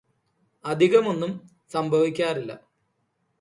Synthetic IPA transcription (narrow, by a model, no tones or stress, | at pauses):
ɐd̪ʱiɣɐmo̞nːum | sɐmbʱɐʋikʲːaːrilːɐ̰